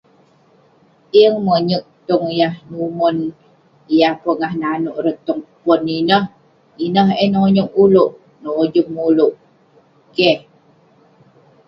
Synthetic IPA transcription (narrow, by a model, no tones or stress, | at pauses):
iəŋməɲək̚t̪ɔŋjahnumun | jahpəŋahnanuʔɾət̪ɔŋpɔninəh | inəɦɛnoɲuŋuluʔ | nod͡ʒumuluʔ | ke